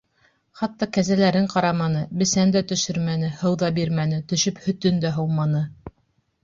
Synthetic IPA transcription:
χɑt̪ːɑkæzælæɾɘɴqɑɾɑmɑnɤbɘ̆sænd̪æt̪ɵ̆ʃɵɾmænɘhɤwðɑbiɾmænɘt̪ɵ̆ʃɵphɵ̆t̪ɵnd̪æɦɤlˠmɑnɤ

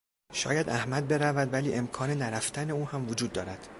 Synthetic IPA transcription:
ʃɒ̰ːjæd̪ʔæhmæd̪̚be̞ɾævæd̪væliːʔe̞mkʰɒːne̞næɾæft̪ʰæne̞uːhæmvod͡ʒuːd̪ːɒːɾæd̪̥

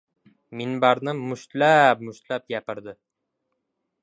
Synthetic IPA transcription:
minbaɾnɪmʊʃt̪lap̚mʊʃt̪lapjapɪɾd̪ɪ

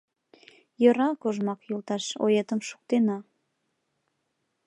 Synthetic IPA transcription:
jə̆ɾɑkoʒmɑkjulˠt̪ɑʃo̰jet̪əmʃu̥k̚t̪enɑ

